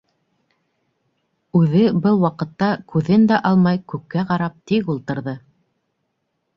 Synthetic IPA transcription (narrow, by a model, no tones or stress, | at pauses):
ʉðɘbɤlˠwɑqɤ̆t̪ːɑkʉðɘnd̪æʔɑlˠmɑjkʉkːæqɑɾɑp̚t̪ikulˠt̪ɤ̆ɾðɤ